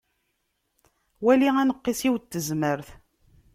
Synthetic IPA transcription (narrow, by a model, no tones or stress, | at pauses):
wæliænəqːisiwt̪ːəzməɾθ